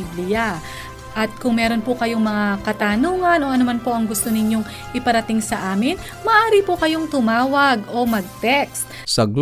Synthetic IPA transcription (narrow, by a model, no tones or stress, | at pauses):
blɪja | ʔɐt̪̚kʊŋmɛːɾo̞npʊkɐjo̞ŋmɐŋakɐt̪aːnuːŋɐnʔo̞ʔɐnomanpo̞ʔɐŋɡʊst̪o̞nɪɲjo̞ŋ | ʔɪpɐɾɐt̪ɪŋsɐʔaːmɪn | mɐʔaːɾipokɐjo̞ŋt̪ʊmaːwɐɡo̞mɐɡ̚t̪ɛkst̪ | sɐɡ